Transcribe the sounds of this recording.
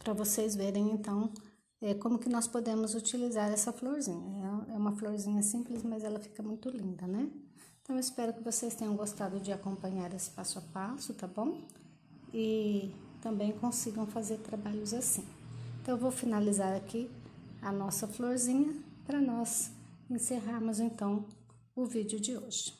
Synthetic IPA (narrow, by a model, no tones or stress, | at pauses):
pɾɐvosejzveɾẽj̃ẽnt̪ɐ̃w̃ | ɛkõmʊkɪnɔspod̪ẽmʊzut͡ʃilizaɾɛsɐfloɾzĩɲɐɛɛũmɐfloɾzĩɲɐsĩmplɪsmɐzɛlɐfi̥kɐmũj̃t̪ʊlĩnd̪ɐnɛ | ẽt̪ɐ̃w̃ɪspɛɾʊkɪvosest̪ẽɲ̃ɐ̃w̃ɡost̪ad̪ʊd͡ʒɪakõmpɐ̃ɲaɾesɪ̥pasʊapasʊt̪abõw̃ | ɪt̪ɐ̃mbẽj̃kõsiɡɐ̃w̃fazeɾt̪ɾabaʎʊzasĩẽt̪ɐ̃w̃w̃vowfinalizaɾakʰiɐnɔsɐfloɾzĩɲɐpɾɐnɔz | ẽseɦaɾmʊzẽnt̪ɐ̃w̃ | ʊvid͡ʒɪʊd͡ʒɪoʒɪ